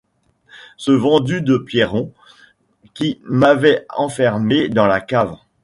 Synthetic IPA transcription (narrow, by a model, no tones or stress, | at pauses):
səvɑ̃d̪yd̪əpjeʁɔ̃ | kʲimavɛɑ̃fɛʁmed̪ɑ̃lakav